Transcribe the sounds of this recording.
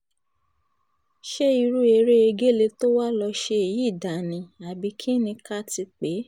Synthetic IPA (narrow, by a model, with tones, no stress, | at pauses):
ʃe˦i˧ɾu˦e˧ɾe˦e˧ɡe˦le˧to˦wa˦lɔ˧ʃe˧e˨ji˨˦˨da˨nĩ˧a˨bi˧kʰi˦nĩ˧ka˦ti˧k͡pe˨˦